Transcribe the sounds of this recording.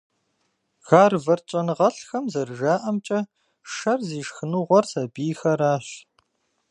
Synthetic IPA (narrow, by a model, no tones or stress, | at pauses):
ɣ̥aːrvɐrt͡ʃʼɐnɨʁɐɬxɐmzɐrʒaːʔɐmt͡ʃʼɐ | ʂɐrziːʃxɨnuːʁʷɔrsɐbiːxɐɾaːɕ